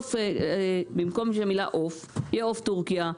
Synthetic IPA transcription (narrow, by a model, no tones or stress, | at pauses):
f | bimko̞mʃemila̰ʔof | jeoft̪uʁkija